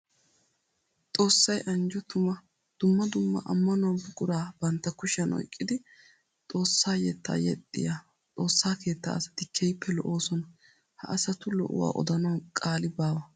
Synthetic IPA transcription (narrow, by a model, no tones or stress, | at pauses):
t̪ʼo̞ːsːɐjʔɐnd͡ʒɔt̪ʊmɐ | d̪̥ʊmːɐd̪ʊmːɐ̰ʔɐ̰mːɐnʊɐnbʊɡʼʊɾaːb̥ɐnt̪ːɐkʊʃɐnɔ̰jkʼːɪd̪ɪ | t̪ʼo̞ːsːaːjɛt̪ːa̰ːjɛt̪ʼːɪ̰ja | t̪ʼo̞ːsːaːke̞ːt̪ːɐ̰ɐsɐ̥t̪ɪkʰɛjpʰːɛlɔʔoːsɔnɐ | hɐ̰ʔɐsɐt̪ʊlɔ̰ʔʊ̰wa̰ːʔɔ̰d̪ɐnɐwkʼaːlɪbaːwɐ